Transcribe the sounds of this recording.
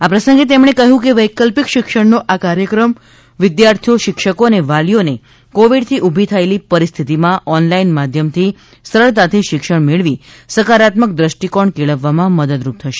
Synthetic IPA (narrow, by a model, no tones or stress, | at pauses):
apɾəsəŋɡet̪̬emɽ̃ekəɦjũkeʋəjkəlpikʃɪkʃəɳnoʔakaɾjəkɾəm | ʋɪd̪jaɾt̪ʰijoʃɪkʃəkoneʋalijone | koʋiɖt̪ʰiʔubʱit̪ʰaelipəɾist̪ʰit̪imãʔɔnlainmad̪ʱjəmt̪ʰi | səɾəɭt̪̬at̪ʰiʃɪkʃəɳmeɭʋisəkaɾat̪mək̚d̪ɾəʃʈikɔɳkeɭəʋːamãməd̪əd̪ɾup̚t̪ʰəʃe̥